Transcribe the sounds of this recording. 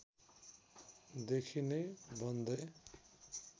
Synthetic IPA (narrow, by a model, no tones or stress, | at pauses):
d̪ekʰinebʌnd̪ʌj